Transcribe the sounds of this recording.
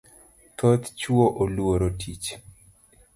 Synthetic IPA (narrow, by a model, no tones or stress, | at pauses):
t̪ʰot̪t͡ʃuoʔoluoɾotʰit͡ʃ